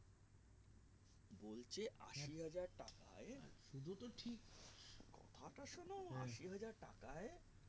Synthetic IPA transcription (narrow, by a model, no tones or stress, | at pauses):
bolt͡ɕʰeʔa̰ʃiɦad͡ʑaɾʈaka̰eʃud̪ʱut̪oʈʰikkɔ̰t̪ʰaʈaʃonaoaʃʃiɦad͡ʑaɾʈakae